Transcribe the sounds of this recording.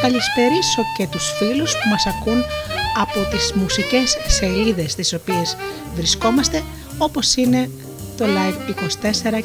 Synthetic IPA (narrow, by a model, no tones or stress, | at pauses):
kɐlisfe̞ɾiso̞ce̞t̪usfiluspumɐsɐkunɐpo̞t̪izmusice̞sːe̞liðe̞st̪iso̞pie̞z | vɾisko̞mɐst̪e̞ | o̞po̞sine̞ | t̪o̞lɐjfiko̞si̥t̪e̞se̞ɾɐ